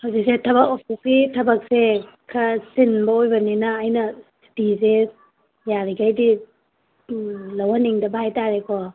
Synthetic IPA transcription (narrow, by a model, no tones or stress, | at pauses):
hawzik̚setʰɐbɐkopʰukitʰɐbak̚se | kʰasinbɐojbɐninɐːjnɐstizes | jaɾiɡajdi | lawaniŋdɐbahajtaɾekʰɔ